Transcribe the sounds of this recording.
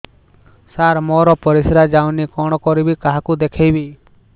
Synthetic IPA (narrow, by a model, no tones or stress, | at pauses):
saɾmɔɾɔpɔɾisɾad͡ʒawnikɔɽ̃ɔkɔɾibikaɦakud̪ekʰejbi